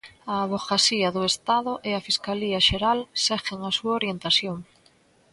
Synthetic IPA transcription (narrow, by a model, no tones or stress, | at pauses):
ɐːβoɣasiɐðʊest̪aðʊʔeafiskaliɐʃeɾalsɛxeŋɐsuɐoɾjent̪aθjoŋ